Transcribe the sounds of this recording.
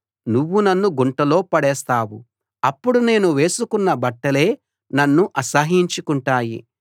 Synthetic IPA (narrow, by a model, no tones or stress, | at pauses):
nuʋːunɐnːuɡuɳʈɐlo̞ːpɐɽɛːst̪aːwṵ | ɐpːuɽune̞ːnuʋe̞ːsukunːɐbɐʈːɐle̞ː | nɐnːuʔɐsɐɦiɲt͡ʃukuɳʈaːjḭ